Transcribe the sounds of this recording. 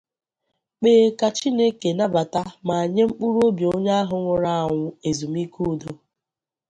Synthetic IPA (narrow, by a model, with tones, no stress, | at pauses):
k͡peː˨ka˨t͡ʃi˦ne˦ke˨na˦ba˨ta˦ma˨a˨ɲe˦ŋ͡m̩˦k͡pu˦ɾu˦o˦bjo˦ɲa˦a˦ɦʊ˨ŋʷʊ˨ɾa˦a˨ŋʷʊ˨e˨zu˨mi˦ku˦˨do˦